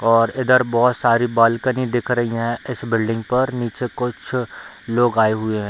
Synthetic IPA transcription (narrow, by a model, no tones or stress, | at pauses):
ɔːɾɪd̪əɾbɔːt̪saːɾibaːlkənid̪ɪkʰɾɐɦiɦɛ̃ɪsbɪlɖɪ̃ŋɡpɐɾniːt͡ʃekʊt͡ʃʰ | loːɡaːeɦʊeɦɛ̃ː